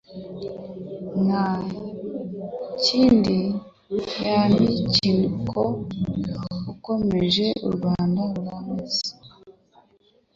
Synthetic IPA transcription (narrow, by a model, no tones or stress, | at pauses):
na | ciːndi | janicinuko | uko̞me̞ʒe̞ṵɾɡwaːndaɾuɾamezi̥